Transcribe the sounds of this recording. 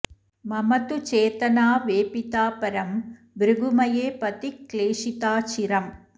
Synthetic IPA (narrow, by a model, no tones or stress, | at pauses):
mɐmɐt̪ut͡ʃeːt̪ɐnaːʋeːpit̪aːpɐɾɐm | bɾɪɡɯmɐjeːpɐt̪ikːleːʂit̪aːt͡ʃiɾɐm